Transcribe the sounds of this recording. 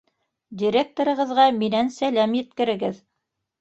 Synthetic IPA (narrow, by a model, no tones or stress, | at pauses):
d̪ʲiɾʲek̚t̪oɾɤ̆ʁɤ̆ðʁɑminænsælæmjɘ̆t̪̚kɘ̆ɾɘ̆ɡɘð